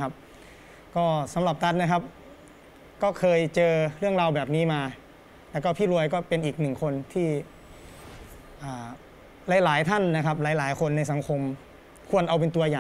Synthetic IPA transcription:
a˦˥p̚ | kɔː˥˩sa˨˦mla˨˩p̚t̪ʰa˦˥t̪̚na˦˥kʰa˦˥p̚ | kɔː˥˩kʰɤː˧jt͡ɕɤː˧ɾɯ˥˩əŋɾaː˧wbɛː˨˩p̚niː˦˥maː˧ | lɛ˦˥wkɔː˥˩pʰiː˥˩ɾu˧əjkɔː˥˩pe˧nʔiː˨˩k̚nɯ˨˩ŋkʰo˧nt̪ʰiː˥˩ | ʔaː˨˩ | la˨˦˥jlaː˨˩˦jt̪ʰa˥˩nːa˦˥kʰa˦˥p̚laː˨˦jlaː˩˦jkʰo˧nːa˧js̬a˨˩˦ŋkʰo˧m | kʰu˧ənʔa˧wp̬e˧nt̪u˧ɐjaː˨˩

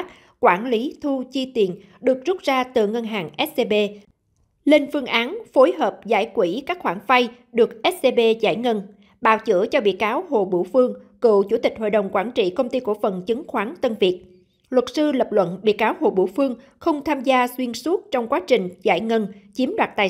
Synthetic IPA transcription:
k̚ | kwaː˧˩nli˨˦t̪ʰu˧t͡ɕi˧t̪ḭ˨˩ən | ɗɨ˨˩ək̚zʊ˦˥t̚zaː˧t̪ɨ̰˧˨˩ŋə˧nɦaː˨˩ŋʔɛ˦˥t̚se˧ɓe˧ | le˧nfɨ˧əŋʔaː˨˦nfo˨˦jɦəː˨˩p̚za̰ː˧˩jkwi˧˩kaː˦˥k̚xwaː˧˩ŋfa˧j | ɗɨ˨˩ək̚ʔɛ˦˥t̚se˧ɓe˧za̰ː˧˩jŋə˧n | ɓa̰ː˧˨˩wt͡ɕɨ̰˧˥ət͡ɕɔ˧ɓḭ˧˨əkaː˨˦wɦo̰˧˨ɓṵ˧˩fɨ˧əŋkɨ̰˧˨wt͡ɕu˧˩t̪ï˨˩k̟̚ɦo̰˧˨jɗə˨˩wŋ͡mkwaː˧˩nt͡ɕḭ˧˨kə˧wŋ͡mt̪i˧ku˧˩əfə˨˩nt͡ɕɨ˨˦ŋxwaː˨˦nt̪ə˧nvi˨˩ət̚ | lwə˨˩t̚sɨ˧lə˨˩p̚lwə̰˧˨nɓḭ˧˨kaː˨˦wɦo̰˧˨ɓṵ˧˩fɨ˧əŋxə˧wŋ͡mt̪ʰaː˧mzaː˧swi˧ənsu˦˥t̚t͡ɕɔ˧wŋ͡mkwaː˨˦t͡ɕï˨˩ŋ̟za̰ː˧˩jŋə˧nt͡ɕi˨˦əmɗwaː˨˩t̚t̪aː˨˩

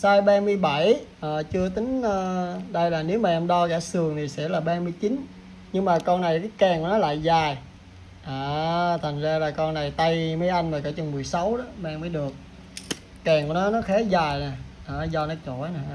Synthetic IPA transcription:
saː˧jɓaː˧mɨ˧əjɓa˧˩jʔəː˨˩t͡ɕɨ˧ət̪ï˨˦ŋ̟əː˧ɗə˧jlaː˨˩ne˨˦wmaː˨˩ʔɛ˧mɗɔ˧ɣaː˧˥sɨ˨˩əŋt̪ʰi˨˩sɛ̰˧˥laː˨˩ɓaː˧mɨ˧jt͡ɕi˨˦n | ɲɨ˧ŋmaː˨˩kɔ˧nna˨˩jkaː˨˦jkɛ˨˩ŋku˧˥˦nɔ˨˦la̰ː˧˨jzaː˨˩j | ʔaː˨˩t̪ʰa˨˩ŋzaː˧laː˨˩kɔ˧nna˨˩jt̪a˧jmə˨˦jʔa˧jŋ̟maː˨˩kə˧˦t͡ɕə˧nmɨ˨˩əjsa˨˦wɗɔ˨˦ɓaː˨˧˩ŋməː˨˦ɗɨ˨˩ək̚ː | ɛː˨˩ŋkṵ˧˩nɔ˨˦nɔ˨˦xɛː˨˦zaː˨˩jnaː˨˩ | ʔaː˨˩zɔ˧nɔ˨˦t͡ɕo̰˧˩jnaː˨˩

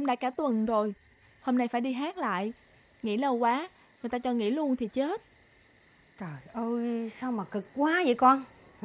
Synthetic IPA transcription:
ʔə˧wŋ͡mɗa̰ː˧˥kaː˧˩t̪wə˨˩nzo˨˩j | ho˧mna˧jfaː˧˩jɗi˧ɦaː˦˥t̚la̰ː˧˨j | ŋḭ˧˥lə˧˩wkwaː˨˦ | ŋɨ˨˩jt̪aː˧t͡ɕɔ˧ŋḭ˧˥lu˧ənt̪ʰi˨˩t͡ɕe˦˥t̚ | t͡ɕəː˨˩jʔəː˧jsa˧wmaː˨˩kɨ˨˩kːwaː˨˦zə̰˧˨jkɔ˧n

